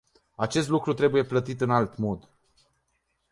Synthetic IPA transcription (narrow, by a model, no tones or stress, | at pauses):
at͡ʃe̞s̬t̪lukɾut̪ɾe̞buje̞plət̪it̪ɨnalt̪mo̞d̪